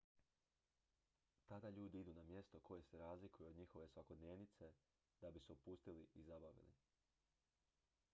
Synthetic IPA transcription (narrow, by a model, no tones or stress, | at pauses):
t̪ad̪aʎuːd̪iid̪unamje̞st̪o̞kʰo̞je̞se̞ɾaːzlikujuod̪ɲixo̞ʋe̞sʋako̞d̪neːʋnit̪se̞ | d̪̥abiseupust̪iliʔizabaʋḭlḭ